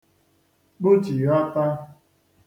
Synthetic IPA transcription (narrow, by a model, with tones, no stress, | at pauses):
k͡pʊ˦t͡ʃi˨ja˦ta˦